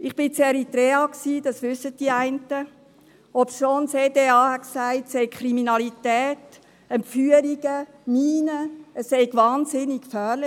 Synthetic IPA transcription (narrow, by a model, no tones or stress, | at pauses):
ɪχb̥ɪt͡seɾitɾeːɑksiːd̥ɑsʋʏsːət̚d̥iəæɪntə | ɔpsʃonseːdeːɑːhɛksæɪtsɛɪkʰχɾiminɑlitɛːt | ɛmfyːəɾiɡə | miːnəəsːɛɪɡʋɑːnzɪnikkfœːɾlɪ